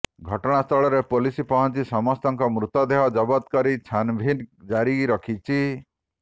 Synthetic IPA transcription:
ɡʱɔʈɔɽ̃ast̪ʰɔɭɔɾepolisipɔɦɔnt͡ʃisɔmɔst̪ɔŋkɔmɾut̪ɔd̪eɦɔd͡ʒɔbɔd̪kɔɾit͡ʃʰanbʱind͡ʒaɾiɾɔkʰit͡ʃʰi

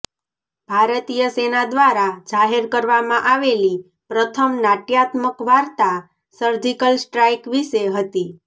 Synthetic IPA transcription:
b̥ʱaɾət̪ijəsenad̪ʋaɾad͡ʒaɦeɾkəɾʋamãʔaʋeli | pɾət̪ʰəmnaʈjat̪məkʋaɾt̪a | səɾd͡ʒikəlsʈɾajkʋiʃeɦət̪i

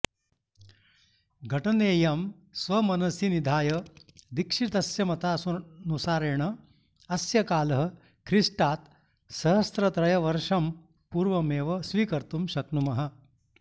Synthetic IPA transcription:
ɡʱɐʈɐneːjɐm | sʋɐmɐnɐsinid̪ʱaːjɐd̪ikʂit̪ɐsjɐmɐt̪aːsunusaːɾeːɳɐ | ɐsjɐkaːlɐɦɐ̆ | kʰɾiʂʈaːt̪ | sɐɦɐst̪ɾɐt̪ɾɐjɐʋɐɾʂɐm | puːɾʋɐmeːʋɐsʋiːkɐɾt̪umʃɐknumɐɦɐ̆

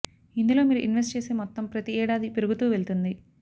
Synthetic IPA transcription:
ind̪ulo̞ːmiːɾuʔinʋesʈt͡ʃe̞ːseːmɔt̪ːɐmpɾɐt̪iɛːɽaːd̪ipiɾuɡut̪uːʋe̞ɭt̪und̪i

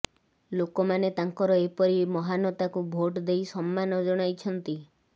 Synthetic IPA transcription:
lokomanet̪aŋkɔɾɔepɔɾimɔɦanɔt̪akubʱoʈd̪ejsɔmːanɔd͡ʒɔɽ̃ajt͡ʃʰɔnt̪i

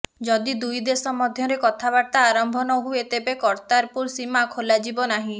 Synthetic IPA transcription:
d͡ʒɔd̪id̪ujd̪esɔmɔd̪ʱjɔɾekɔt̪ʰabaɾt̪aːɾɔmbʱɔnɔɦuet̪ebekɔɾt̪aɾpuɾsimakʰolad͡ʒibɔnaɦĩ

